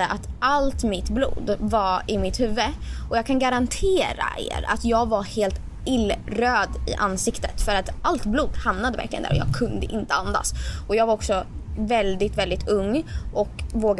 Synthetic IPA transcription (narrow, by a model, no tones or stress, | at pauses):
əʔat̪alt̪mɪt̪blṵːd̪vaɪmɪt̪hʉ̟ːvːəʔɔjɑːɡkʰanɡaɾant̪ʰeːɾa̰ʔḛːɾa̰t̪jɑːɡvaheːlt̪ | ɪlːɾøːd̪ɪ̰ʔanːsɪkt̪ət̪fœɾat̪ʔalt̪bluːd̪hamnad̪əvæ̰ɾklɪɡənæ̰ːɾɔjɑ̰ːɡ̚kʰɵnd̪əʔɪnt̪əand̪a̰sɔjɑːɡvaɾɔksɔ | vɛld̪ɪt̪vɛld̪ɪt̪ɵŋːʔɔkvoːɡ